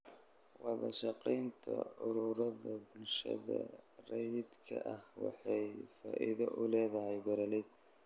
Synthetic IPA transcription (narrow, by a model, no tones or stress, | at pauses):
wɑðɐʃɑqijnt̪ʰɐ̰ʊɾuːɾɐðɐbʊlʃɐ̰ðɐ̰rɛjd̪kʰɐ̰ʔɐhwɑ̰ħɑjfa̰ːʔɪðɐʔʊlɛːðɐɦɛjbɐɾɐlɛd̪̚